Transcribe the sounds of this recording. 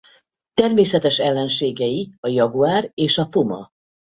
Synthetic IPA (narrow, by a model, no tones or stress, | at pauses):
t̪ɛrmeːsɛt̪ɛʃɛlːɛnʃeːɡɛjiɒjɒɡuaːreːʃɒpumɒ̰